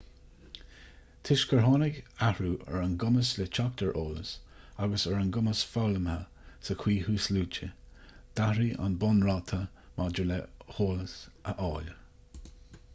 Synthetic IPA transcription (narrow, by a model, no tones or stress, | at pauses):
t̪ʰɪʃkʰəɹɦɑːnɪɡahɹuːʔə̰ɹənɡʊməslɛt͡ʃʰak̚t̪əɹʔoːlə̰s | aɡəsəɹənɡʊməsfɔləmhə | səkʰw̥iːhuːsluːt͡ʃə | d̪̥ahɹiʔa̰nbɔnɹɑt̪ʰə | mad͡ʒəlɛhoːləsʔəʔɑːl